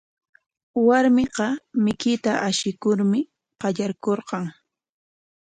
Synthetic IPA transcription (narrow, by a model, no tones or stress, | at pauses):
waɾmɪqɑmɪkɪt̪aʔaʃɪkʊɾmɪ | qɑʎaɾkoɾqɑŋ